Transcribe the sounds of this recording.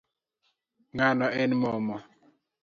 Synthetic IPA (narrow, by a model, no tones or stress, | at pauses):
ŋanɔɛnmɔmɔ